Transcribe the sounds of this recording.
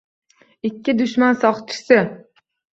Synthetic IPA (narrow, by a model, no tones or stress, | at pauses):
ɪkʲːɪd̪ʊʃmansɒχt͡ʃʰɪ̥sɪ